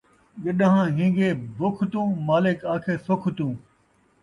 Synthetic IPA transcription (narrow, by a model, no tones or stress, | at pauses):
ɠɪɗɦãːɦĩːɡeːbʱʊkʰt̪ũːmaːlɪkaːkʰeːsʊkʰt̪ũː